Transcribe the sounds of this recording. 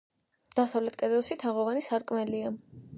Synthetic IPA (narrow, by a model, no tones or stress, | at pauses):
d̪̥asavlɛt̪̚ʰkʼɛd̪ɛlˠʃit̪ʰaʁɔvanisaɾkʼmɛlia